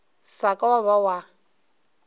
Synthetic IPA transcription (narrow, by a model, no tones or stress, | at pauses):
sakʼawaβawa